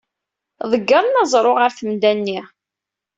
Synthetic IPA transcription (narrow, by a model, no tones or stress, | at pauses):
ðˤəɡːəɾˤnɑzˤɾˤoʁəɾθəmd̪ænːi